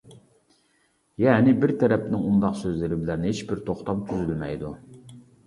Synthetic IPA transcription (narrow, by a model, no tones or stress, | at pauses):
jɛnɪbɪɾt̪ʰɛɾɛpnɪŋund̪ɑqsøzlɪɾɪbɪlæɾnɪhet͡ʃbɪɾt̪ʰoχt̪ɑmt̪ʰyzylmɛ̰jd̪u